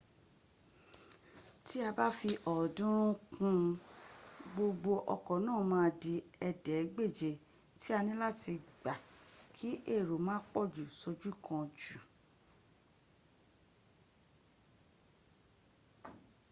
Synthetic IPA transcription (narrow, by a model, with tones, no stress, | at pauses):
ti˦a˧ba˦fi˧ʔɔ˨dũ˦ɾũ˦kũ˧ | ɡ͡bo˧ɡ͡bo˧ʔɔ̰˧kɔ˨nãː˦˨mãː˦˧di˧ɛ˧dɛ˨˦ɡ͡be˦˨d͡ʒe˨ | ti˦a˧nĩ˦la˦ti˧ɡ͡ba˨kʰi˦ʔe˦˨ɾo˨mãː˦k͡pɔ˦˨d͡ʒu˨so˧d͡ʒu˦kʰã˧d͡ʒu˨